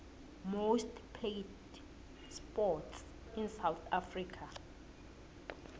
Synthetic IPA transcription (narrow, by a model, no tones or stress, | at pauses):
mostpʰlet | spɔts | insawθafrikʰa